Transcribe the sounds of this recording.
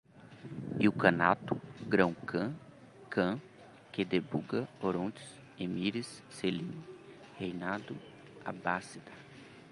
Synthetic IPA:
iukɐ̃nat̪ʊɡɾɐ̃w̃kʰɐ̃ | kʰɐ̃ | ked̪ebuɡɐoɾõd͡ʒi̥s | emiɾisːelĩn | hejnad̪ʊ | a̰basid̪ɐ

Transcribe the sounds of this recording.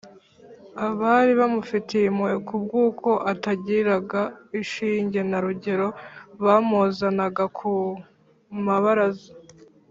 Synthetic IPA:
aβaɾiβamufiteimuekub̚ɡuːko̞ʔataɟiɾaɡaiʃiːɲɟe̞naɾuɟe̞ɾo̞βaːmozanaɡakʰu | maβaɾazo

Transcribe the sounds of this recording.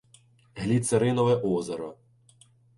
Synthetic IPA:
ɦlʲit̪seɾɪnɔʋɛʔɔzɐɾɔ

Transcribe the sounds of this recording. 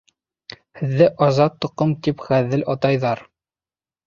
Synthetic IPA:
hɘ̆ðːɘʔɑzɑt̪ːŏqːɤmt̪ipχæðɘlʔɑt̪ɑjðɑɾ

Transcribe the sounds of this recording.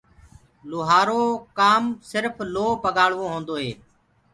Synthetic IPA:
lʊːɦaːɾoːkaːmsɪɾfʰloːpəɠaːɽʋõːɦõːnd̪oːɦeː

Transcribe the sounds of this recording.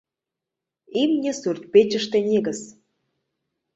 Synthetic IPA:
imnʲĕsurt̪̚ʲpet͡ɕə̆ʃt̪enʲeɣəs

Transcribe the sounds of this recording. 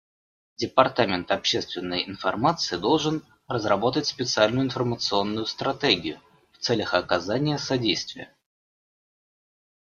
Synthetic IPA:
dʲɪpɐrt̪amʲɪnt̪ɐpɕest̪vʲɪnːəjɪnfɐrmat̪sɨɪd̪o̞lˠʐɨn | rəzrɐbo̞t̪ətʲspʲɪt̪sɨalʲnʊjʊɪnfərmət̪sɨo̞nːʊjʊst̪ɾɐt̪eɡʲɪjʊ | ft̪sɛlʲəxɐkɐzanʲɪjəsɐdʲejst̪vʲɪjə̰

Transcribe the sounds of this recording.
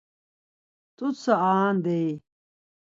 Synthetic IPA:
t̪ut͡sɐaːnd̪ej

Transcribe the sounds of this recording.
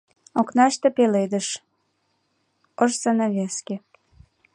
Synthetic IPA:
oknɑʃt̪ə̆peled̪ə̆ʃ | əʃsɑnɑβʲeskʲe

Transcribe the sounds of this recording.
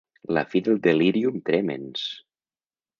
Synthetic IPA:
la̰fiðelˠd̪eliɾiumt̪ɾemḛns

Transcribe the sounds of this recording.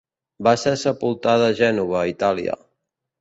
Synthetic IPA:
basesəpulˠt̪aðːʒɛnuβ̞əit̪alḭə̰

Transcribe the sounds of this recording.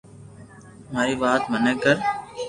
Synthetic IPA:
maːɾiːʋaːt̪mənəkːəɾ

